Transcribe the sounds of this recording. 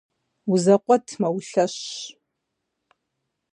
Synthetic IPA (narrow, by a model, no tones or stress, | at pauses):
uzɐqʷɔtʰmɐwɬɐɕ